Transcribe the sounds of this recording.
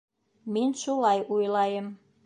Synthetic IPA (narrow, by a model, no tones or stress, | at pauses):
menʲʃulɑjujlɑjəm